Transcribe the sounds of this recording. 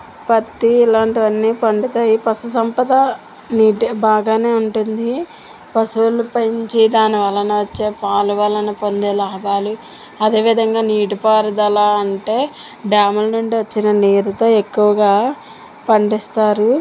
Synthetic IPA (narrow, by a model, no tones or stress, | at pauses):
pɐt̪ːiːlaːɳʈiʋɐnːiːpɐɳɖit̪aːjipɐsusɐmpɐd̪ɐ | niːʈibaːɡaːne̞ːuɳʈund̪i | pɐsulupɐɲt͡ʃid̪aːniʋɐlːɐnɐʋɐt͡ʃːeːpaːluʋɐlːɐnɐpond̪eːlaːɐbaːlu | ɐd̪e̞ːʋid̪ʱɐŋɡaːniːʈipaːɾud̪ɐlaɐɳʈe̞ː | ɖaːmulnuɳɖiʋɐt͡ʃːinɐniːɾut̪o̞ːe̞kːuʋɐɡaː | pɐɳɖist̪aːɾu